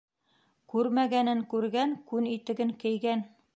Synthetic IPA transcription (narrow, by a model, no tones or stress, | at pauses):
kʉɾmæɡænɘŋkʉɾɡæŋkʉnit̪ɘ̆ɡɘŋkɘ̆jɡæn